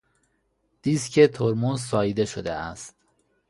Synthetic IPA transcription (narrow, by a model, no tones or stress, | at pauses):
d̪̥iːscʰet̪ʰoɾmonzsɒːid̪e̞ʃod̪ḛæ̰st̪